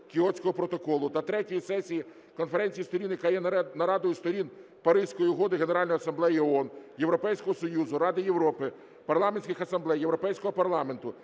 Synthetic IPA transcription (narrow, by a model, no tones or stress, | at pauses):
kʲɪɔt͡sʲkɔɦɔpɾɔt̪ɔkɔlˠʊt̪ɐt̪ɾɛtʲijisɛsʲiji | kɔnfeɾɛnʲt͡sʲijist̪ɔɾʲinjɐkɑjɛnɐɾɑd̪ɔjist̪ɔɾʲin | pɐɾɪsʲkɔjiɦɔd̪ɪɦeneɾɑlʲnɔjɐsɐmblˠɛjiɔɔnjeʋɾɔpɛjsʲkɔɦɔsɔjuzʊɾɑd̪ɪjewɾɔpɪ | pɐrlˠɑmenʲsʲkʲɪxɐsɐmblˠɛjːewɾɔpɛjsʲkɔɦɔpɐrlˠɑme̞nt̪ʊ